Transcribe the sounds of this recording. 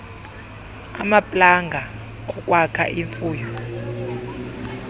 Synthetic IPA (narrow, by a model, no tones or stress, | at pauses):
a̰mapʼlaŋɡʱa | ɔk̬ʼwakʰa̰ʔiɱfuːjɔ